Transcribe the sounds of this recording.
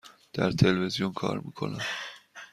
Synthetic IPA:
d̪̥æɾt̪ʰe̞lvezijonkʰɒ̰ːɾmiːkʰo̞̰næm

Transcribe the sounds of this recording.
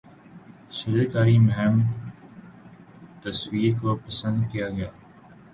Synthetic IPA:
sɪlakaːɾimʊɦɛm | t̪ɐswiːɾkopɐsə̃nd̪kijaɡɐjaː

